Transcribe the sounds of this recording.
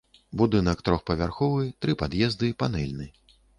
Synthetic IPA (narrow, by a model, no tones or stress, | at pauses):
bud̪ɨnɐkt̪ɾɔxpɐvʲarxɔvɨt̪ɾɨpad̪jɛzd̪ɨpanɛlʲnɨ